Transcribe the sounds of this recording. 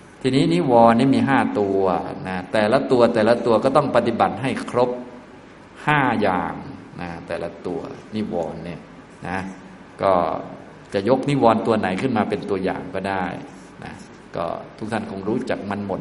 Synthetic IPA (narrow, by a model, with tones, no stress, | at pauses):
t̪ʰiː˧niː˦˥niː˦˥wɔː˧nːiː˥˩miː˧ɦaː˥˩t̪u˧na˦˥t̪ɛː˨˩la˦˥t̪u˧ɐt̪ɛː˨˩la˦˥t̪u˧ɐkɔː˥˩t̪ɔ˥˩ŋpa˧t̪i˨˩ba˨˩t̪̚ɦa˥˩jkʰɾo˦˥p̚ | haː˥˩jaː˧ŋ | na˦˥t̪ɛː˨˩la˦˥t̪u˧ɐni˦˥wɔː˧nːi˥˩ɐ | na˦˥ | kɔː˥˩ | t͡ɕa˨˩ʔjo˦˥k̚ni˦˥wɔː˧nt̪u˧ɐna˩˦jkʰɯ˥˩nmaː˧pe˧nt̪u˧ɐja̰ː˨˩ŋkɔː˥˩daː˥˩j | nʔa̰˦˥ | kɔ̰ː˥˩t̪ʰu˦˥k̚t̪ʰa˥˩nkʰo˧ŋɾuː˦˥t͡ɕa˨˩k̚ma˧nmo˨˩t̪̚